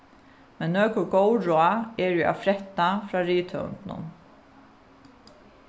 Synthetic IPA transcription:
mɛnːøːkʊɹɡɔwɾɔaɛɾjɛa̰fɾɛht̪ːafɾaːɾiːt̪ʰœ̰ʊ̰nt̪nʊ̰n

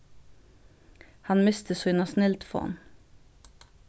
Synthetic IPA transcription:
hɑnmɪst̪ʰəsoːɪnɑsnɪlt̪fo̰ːn

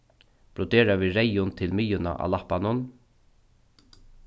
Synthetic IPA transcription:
b̥ɾʊd̪eːɾaʋiːɹɛjʊnt̪ʰɪlmijʊna̰ʔa̰lahpanʊn

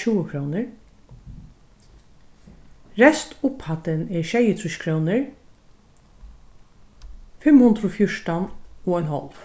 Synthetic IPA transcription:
uːəkʰɾɔːnɪɹ | ɾɛst̪ʊphat̪ɪnɛɹʃɛjət̪ʰɾʊʃkʰɾɔwnɪɹ | fɪmhʊnd̪ɾɔfjʊʂtanɔɔjnɦɔ̰lf

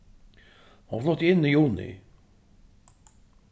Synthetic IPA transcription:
hʊnflɔht̪ɪɪnːijuːnɪ̰

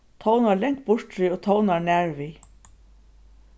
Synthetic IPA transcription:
t̪ʰownaɹlɛŋk̚bʊɹt̪ɾiːoːt̪ʰownaɹnæːɹviː

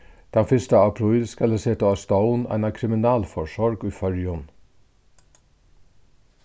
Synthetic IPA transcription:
d̪̥ɛnfɪst̪əɑpʰɾʊiːd̪skɑləseːt̪əɑst̪ɑʊnæ̰ɪnɑkʰɾɪmɪnɑːlfɔʃɔɹɡʉːfœɹjʊn

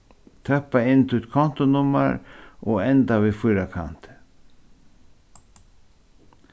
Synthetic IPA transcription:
t̪ʰœpːaɪnt̪ʰut̪kʰɔn̥t̪ʊnʊmːa̰ɾʔɔɛnt̪avifɔjɾakʰa̰n̥t̪

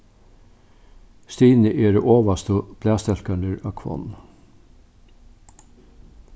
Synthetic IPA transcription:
st̪iːnəʔeːɾəʔoːʋɑst̪ub̥læːst̪ɛlkɑɳəɾɑ̰ːkʰʋɔ̰n

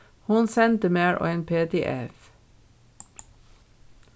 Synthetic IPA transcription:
hʊnsɛnt̪əmeːɹʔo̰ːeːnpʰeːt̪eːʔɛ̰f

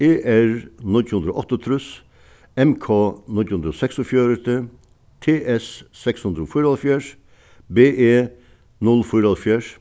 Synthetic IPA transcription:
eːʔæɾnɪlt̪hʉnd̪ɾo̰ʔɔt̪ːət̪ʰɾʉs | ɛmkʰoːnɪt̪hʉnd̪ɾɔːsɛksɔfjøːɾət̪ə | t̪ʰeːʔɛssɛkshʉnd̪ɾəoːfʊɾɔlfjæːʂ | beːʔeː | nɔlfʊɾɔlfjæːʂ

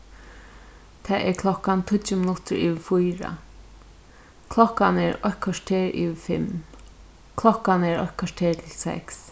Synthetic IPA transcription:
t̪ʰɛːʔɛɹkʰlɔkːant̪ʰʊtːəmɪnʊt̪əɹiːʋfujɾa̰ | kʰlɔkːanɛɹɔhkʰɔʂt̪ʰeːɹḭːʋfɪm | kʰlɔhkanɛɹɔ̰hkʰɔʂt̪ʰeːɹt̪ʰɪlsɛ̰ks

